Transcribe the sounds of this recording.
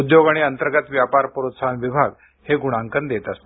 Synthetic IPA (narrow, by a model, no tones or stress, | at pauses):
d̪joɡaɽ̃iənt̪əɾɡət̪ʋjapaɾpəɾuot̪sanʋibʱaɡ | heɡuɽ̃ãŋkənd̪et̪əst̪